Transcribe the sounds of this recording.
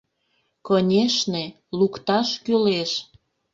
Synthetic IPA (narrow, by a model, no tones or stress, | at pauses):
konʲeʃne | lukt̪ɑʃkyleʃ